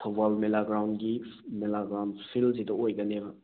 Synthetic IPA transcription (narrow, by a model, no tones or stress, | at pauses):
tʰɐbalmelaɡɾawndɡimelaɡɾawndpʰilsidɐojɡɐnebɐ